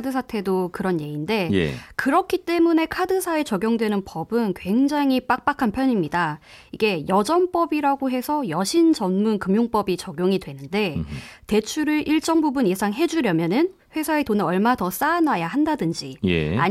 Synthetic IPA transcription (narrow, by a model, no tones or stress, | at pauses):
dɯsʰatʰe̞dokɯɾʌnje̞inde̞jḛkɯɾʌkʰit͈e̞mune̞kʰadɯsʰae̞t͡ɕʌɡjoŋdwe̞nɯnpʌbɯnkwe̞ŋd͡ʑaŋip͈ak̚p͈akʰanpʰjʌɲimɲida | iɡe̞jʌd͡ʑʌnp͈ʌbiɾaɡoɦe̞sʰʌjʌɕʰint͡ɕʌnmunkɯmjoŋp͈ʌbit͡ɕʌɡjoŋidwe̞nɯnde̞te̞t͡ɕʰuɾɯɾʔiɭt͡ɕ͈ʌŋbubunje̞sʰaŋɦe̞d͡ʑuɾjʌmjʌnɯn | ɸwe̞sʰae̞tonɯʌɭmatʌs͈aːnajahandadɯnd͡ʑijḛa̰